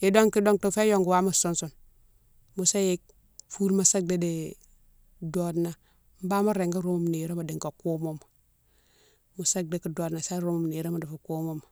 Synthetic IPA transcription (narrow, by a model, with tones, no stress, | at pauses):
i˨do˦ŋki˦do˦ŋto˨fe˦jo˦ŋɡu˨wa˦mu˦su˦nsu˦n | mu˨sa˦je˦k̚ | fu˦ɾma˦˨sa˦k̚de˦de˨ | do˨dna˨ | m̩˦ba˦ma˦ɾe˨ŋɡa˦ɾu˦mo˦m˨ne˨ɾe˦ma˨di˨ŋka˨ko˦mo˦m˨ | mu˨sa˦ɡ̚de˦ki˨do˨dna˨sa˦ɾo˦mu˨mne˨ɾe˦ma˨du˨fu˨ko˦mo˦m˨